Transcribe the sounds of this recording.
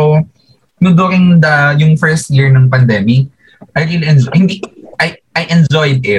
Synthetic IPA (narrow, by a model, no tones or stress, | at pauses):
ow | nʊd̪uːɾɪŋd̪ɐjʊŋfɛɹst̪̚jiɹnɐŋpɐnd̪ɛmɪk̚ | ʔɐjɾiliɛnd͡ʒhɪnd̪iʔɐjʔɐjʔɛnd͡ʒɔjd̪̚ɪt̪̚